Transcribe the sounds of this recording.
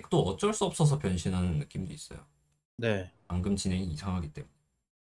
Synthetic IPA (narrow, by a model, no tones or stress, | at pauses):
kt͈oʌt͡ɕ͈ʌɭs͈uʌp̚s͈ʌs̬ʰʌpjʌnɕʰinɦanɯnːɯk͈imdois͈ʌ̰jo̰ | ne̞ | aŋɡɯmt͡ɕinɦe̞ŋiːsʰaŋɦaɡit͈e̞mune